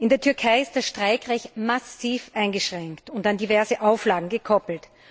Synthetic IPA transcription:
ʔɪndeːɐtʰʏɐkʰaɪɪst̚d̥asʃtʁ̥aɪkʁɛɪçtmasiːfʔaɪnɡəʃʁ̥ɛŋktʊntandivɛɐzəʔaʊflaːɡŋ̩ɡəkʰɔpl̩t

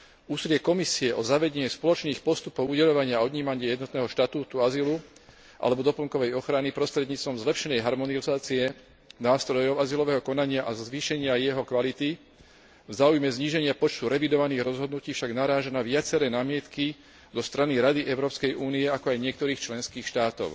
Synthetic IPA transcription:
uːsilɪɛkɔmisiɛʔɔzaʋɛɟɛɲɛspɔlɔt͡ʃniːxpɔst̪upɔʊuɟɛʎɔʋaɲɪaɔd̪ɲiːmaɲɪajɛd̪nɔt̪nɛːɦɔʃt̪at̪uːt̪uazilu | ʔa̰lɛbɔd̪ɔpɔŋkɔʋɛjɔxɾanipɾɔst̪ɾɛd̪ɲiːt͡st̪ʋɔmzlɛpʃɛnɛjɦaɾmɔnizaːt͡siɛ | naːst̪ɾɔjɔʊazilɔʋɛːɦɔkɔnaɲɪaʔazʋiːʃɛɲɪajɛɦɔkʋalit̪i | vzaːujmɛzɲiːʒɛɲɪapɔt͡ʃt̪uɾɛʋid̪ɔʋaniːɣɾɔzɦɔd̪nuciːfʃaɡnaɾaːʒanaʋɪat͡sɛɾɛːnaːmɪɛt̪ki | zɔst̪ɾaniɾad̪iʔɛʊɾɔːpskɛjʔuːniɛakɔajɲɪɛk̚t̪ɔɾiːxt͡ʃlɛnskiːxʃt̪aːt̪ɔ̰ʊ

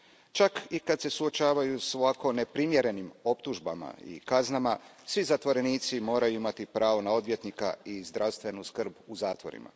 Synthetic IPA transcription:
t͡ʃakikad̪se̞suo̞t͡ʃaːʋajusʋako̞ne̞pɾimje̞ɾe̞nimo̞pt̪uʒba̰ma̰ḭkaznamasʋizat̪ʋo̞ɾe̞niːt̪simo̞ːɾajuimat̪ipɾaːʋo̞nao̞d̪ʋje̞t̪nika̰izd̪ɾʔawst̪ʋe̞nuskr̩buzaːt̪ʋo̞ɾḭma̰

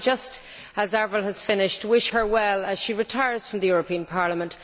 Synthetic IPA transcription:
d͡ʒʌst | əzɛɹvəlˠəz̥fɪ̃nɪʃtwɪʃhə˞wɛləz̥ʃiɹɨtʰaɪə˞z̥fɹʌ̃mðəjʊɹəpʰĩə̃npʰaɹləmə̃nt

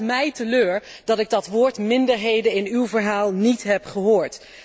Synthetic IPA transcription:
mɛjtəløːɹ | dɑtɪɡ̚dɑtʋoːɹtmɪndəɹɦejdənɪnywvəɹɦaːlˠnitɦɛpχəɦoːɹt

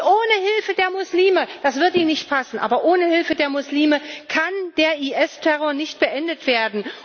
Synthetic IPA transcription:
ʔoːnəhɪlfədeːɐmʊsliːməd̥asv̥ɪɐtiːnɪçt̚pʰasn̩ʔaːbɐʔoːnəhɪlfədeːɐmʊsliːməkʰand̥eːɐʔiːʔɛstʰɛʁoːɐnɪçt̚b̥əʔɛndətv̥eːɐdn̩

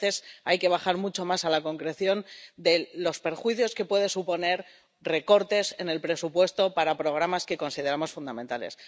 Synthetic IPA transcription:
θe̞sajke̞β̞axaɾmut͡ʃo̞masalako̞ŋkɾe̞θjo̞nd̪e̞lo̞spe̞ɾxwiθjo̞ske̞pwe̞ð̞esupo̞ne̞ɾ | re̞ko̞ɾt̪e̞se̞ne̞lpɾe̞supwe̞st̪o̞paɾapɾo̞ɣ̞ɾamaske̞ko̞nsið̞e̞ɾamo̞sfund̪ament̪ale̞̰s

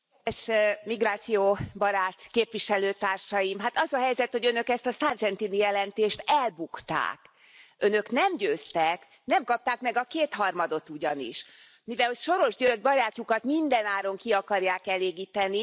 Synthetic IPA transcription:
eːʃmiɡraːt̪sijoːbɒɾaːt̪keːpʋiʃɛløːt̪aːrʃɒjimɦat̪ɒzɒɦɛjzɛt̪ho̞ɟønø̞kɛst̪ɒsard͡ʒɛnt̪inijɛlɛnt̪eːʃt̪ɛlbukt̪a̰ːk | ønøknɛmɟøːst̪ɛk | nɛmkɒp̚t̪aːkmɛɡɒkeːt̪hɒrmɒd̪o̞t̪uɟɒnḭʃ | mivɛlhocʃo̞ɾo̞ʒɟørd̪bɒɾaːcukɒt̪mind̪ɛnaːɾo̞ŋkiɒkɒrjaːkɛleːɡiːt̪ɛni

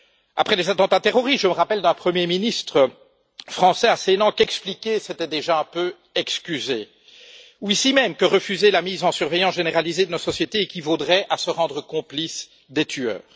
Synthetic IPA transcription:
a̰pχɛlezat̪ɑ̃t̪at̪eʁɔʁist̪ʒəməʁapɛld̪ɛ̃pχəmjeminist̪χə | fχɑ̃sɛasenɑ̃kɛksplikʲeset̪ɛd̪eʒaɛ̃pø | ɛkskʲyze | uisimɛmkəʁəfyzelamizɑ̃syʁvɛjɑ̃sʒeneʁalized̪ənɔsɔsjet̪eːkʲivod̪ʁɛʔasəʁɑ̃d̪ʁəkɔ̃plis | d̪et̪ʰyœ̰ːʁ

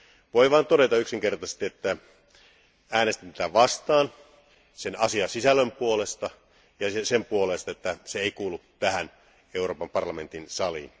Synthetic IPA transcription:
ʋoiʋɑˑːnt̪oɾet̪ɑyksiŋkert̪ɑse̥st̪iet̪ːæ | æːnest̪int̪æt̪æʋɑst̪ɑːn | senɑsiɑsisælːømpuolest̪ɑ | jɑesempuolest̪ɑet̪ːæseeikuːlːut̪tæhæn | euroːpɑmpɑrlɑment̪insɑlḭːn

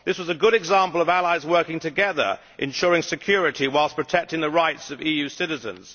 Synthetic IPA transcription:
ðɪswʌzɨɡʊɾɨɡzæ̃mpəl̩ˠʌvælˠaɪzwɜ˞kɪ̃ŋtʰɨɡɛðə̰˞ | ʔɨ̰̃nʃʊɹɪ̃ŋsɨkʰj̥ɔɹɨɾiwaɪlˠspʰɹ̥ɨtʰɛk̚tɪ̃ŋðəɹaɪtsʌvijʉsɪɾɨzə̰̃nz̥

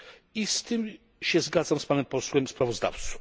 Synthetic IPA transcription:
ist̪ɘm | ɕɛzɡad̪zamspanɛmpɔswɛmspɾavɔzd̪a̰ft̪su̥

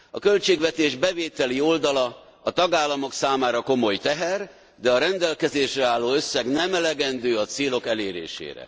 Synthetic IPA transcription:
ɒkølt͡ʃeːɡvɛt̪eːʒbɛveːt̪ɛlio̞ld̪ɒlɒ | ɒt̪ɒɡaːlːɒmo̞ksaːmaːɾɒko̞mo̞jt̪ɛɦɛr | d̪ɛɒɾɛnd̪ɛlkɛzeːʃrɛaːlːoːø̞sːɛɡnɛmɛlɛɡɛnd̪øːɒt̪seːlokɛleːɾḛːʃḛːɾɛ̰

